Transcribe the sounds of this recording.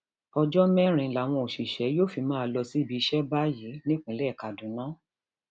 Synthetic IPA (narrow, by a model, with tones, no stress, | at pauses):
ɔ˧d͡ʒɔ˦mɛ̃˦ɾ̃ĩ˧˦la˨˦˨w̃ɔ̃˧o˨ʃi˨ʃɛ˨˦joː˦˨fi˧mãː˦˧lɔ˧si˦˨bi˧i˧ʃɛ˦ba˦ji˨˦nĩ˦k͡pĩ˨˦lɛ˦˨ka˨dũ˨˦nãː˦